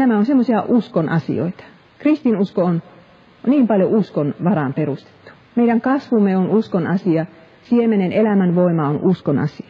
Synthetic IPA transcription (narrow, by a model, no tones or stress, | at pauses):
næmæonsemːosiɑʔuskonʔɑ̰sḭo̰it̪ɑ̥ | krist̪inuskoon | niːmpɑljoʔuskonʋɑrɑmperust̪e̥t̪ːu̥ | meiɾæŋkɑsʋumːeonuskonɑsiɑ | siemenenelæmænʋoimɑonʔuskonɑ̰siɑ̥